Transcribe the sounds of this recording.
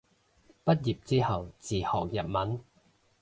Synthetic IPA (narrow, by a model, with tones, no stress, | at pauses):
pɐ˥t̚jiː˨p̚t͡siː˥hɐ˨wt͡siː˨hɔː˨˩k̚jɐ˨t̚mɐ˨˥n